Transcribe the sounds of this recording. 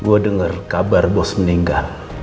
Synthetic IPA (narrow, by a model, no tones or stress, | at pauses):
ɡodəŋərkabarbɔsməniŋɡal